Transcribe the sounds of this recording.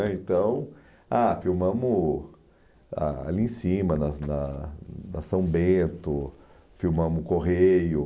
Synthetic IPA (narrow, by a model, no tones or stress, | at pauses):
ɛẽnt̪ɐ̃w̃ | afiwmɐ̃mʊ | a̰a̰liĩsĩmɐnɐnɐnɐsɐ̃w̃bẽt̪ʊ | fiwmɐ̃mʊkoɦejʊ